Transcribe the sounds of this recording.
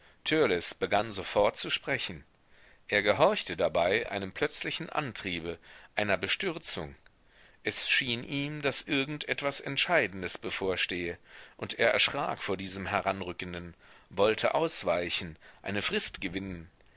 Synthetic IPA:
tʰœɐlɛsb̥əɡanzofɔɐtt͡suʃpʁ̥ɛçn̩ | ʔeːɐɡəɦɔɐçtədabaɪʔa̰ɪnəmpʰlœt͡slɪçn̩ʔa̰ntʁ̥iːbəʔaɪnɐbəʃtʏɐt͡sʊ̰ŋ | ʔɛsʃiːnʔiːmd̥asʔɪɐɡŋ̩tʔɛtv̥asɛntʃaɪdn̩dəsb̥əfoːɐʃteːəʔʊntʔeːɐʔɛ̰ɐʃʁ̥a̰ːkfoːɐdiːzəmɦɛʁanʁʏkən̩dənvɔltʰə̰ʔaʊsv̥aɪçn̩ʔa̰ɪnəfʁ̥ɪstɡ̥əvɪnən

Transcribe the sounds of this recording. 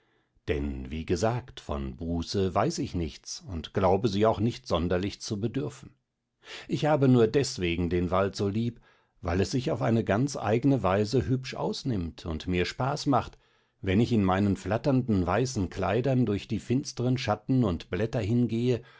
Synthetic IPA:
d̥ɛ̰nviːɡəzaːktfɔ̰nbuːsəvaɪsɪçnɪçt͡sʊntɡ̥laʊbəziːaʊxnɪçtz̥ɔndɐlɪçt͡subədʏɐfn̩ | ʔɪçhaːbənuːɐdɛsv̥eːɡŋ̩deːnvaltz̥oːliːp | va̰ɪlɛsz̥ɪçaʊfʔaɪnəɡant͡sʔa̰ɪɡənəvaɪzəɦʏpʃʔa̰ʊsnɪmtʰʊ̰ntmiːɐʃpaːsmaχt | vɛnɪçɪnmaɪnənflatɐndn̩vaɪsn̩kʰl̥aɪdɐndʊɐçd̥iːfɪnstəʁənʃatn̩ʊntb̥lɛtɐɦɪnɡeːə

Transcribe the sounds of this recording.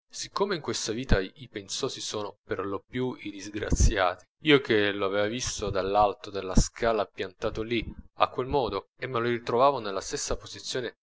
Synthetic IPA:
sikːomeiŋkwest̪aviːt̪aipensɔːsisoːnoperlopjuid̪izɡɾa̰t̪sːja̰ːt̪i̥ | iːokʰeloavɛːvavist̪od̪alːalt̪od̪elːaskʰaːlapjant̪aːt̪olia̰kːwelmɔːd̪o | emːelorit̪ɾovaːvonelːast̪esːapozit̪sːjoːne

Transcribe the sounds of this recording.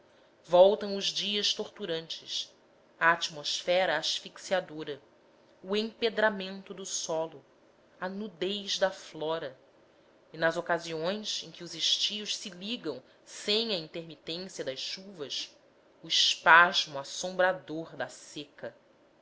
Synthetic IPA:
vɔwt̪ɐ̃w̃ʊzd͡ʒiɐʃt̪oɾt̪uɾɐ̃nt͡ʃɪs | ɐːt͡ʃimosfɛɾɐːʃfiksiad̪oɾɐ | uẽped̪ɾamẽnt̪ʊd̪ʊsɔlʊ | ɐnud̪ejʒd̪ɐflɔɾɐ | inɐzokaziõj̃sẽkʲɪʊzeʃt͡ʃiʊʃsɪliɡɐ̃w̃ | sẽj̃ɐĩnt̪eɾmit̪ẽsiɐd̪ɐʃʃuvɐs | uɪʃpaʒmʊasõmbɾad̪oɾd̪ɐsekɐ

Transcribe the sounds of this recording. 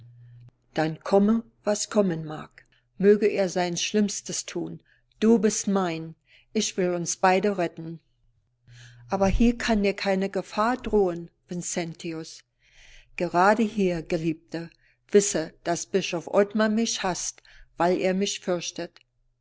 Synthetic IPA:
d̥ankʰɔmə | vaskʰɔmənma̰ɐk | møːɡəʔeːɐzaɪnʃlɪmstəstʰuːn | d̥uːbɪstmaɪn | ʔɪçv̥ɪlʊnsb̥aɪdəʁɛtn̩ | ʔaːbɐhiːɐkʰandeːɐkʰaɪnəɡəfaːɐdʁoːənv̥ɪnsɛntʰiʊs | ɡ̥əʁaːdəhiːɐɡ̥əliːp̚tʰə | v̥ɪsəd̥asb̥ɪʃɔfʔɔtmamɪçhastv̥aɪlʔḛːɐmɪçfʏɐçtət

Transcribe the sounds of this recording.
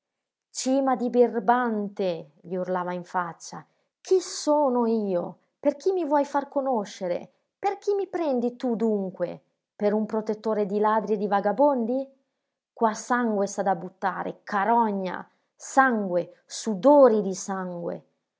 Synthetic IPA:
t͡ʃiːmad̪ibirbant̪eʎiurlaːvaiɱfat͡ʃːa | kʰisoːnoiːo | perk̟imːivwɔjfarkonoʃːeɾḛ | perk̟imːipɾɛnd̪it̪ud̪uŋkwḛ | peɾumpɾot̪et̪ːoːɾed̪ilaːd̪ɾjed̪ivaɡabond̪i | kwasaŋɡwesad̪abut̪ːa̰ːɾḛkaɾɔɲːa̰ | saŋɡwe | sud̪oːɾid̪isaŋɡwḛ

